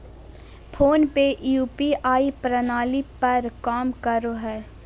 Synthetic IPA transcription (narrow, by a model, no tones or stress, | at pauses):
pʰoːnpeʔjuːpiʔaːipɾənaːlipɐɾkaːmkəɾoɦɛː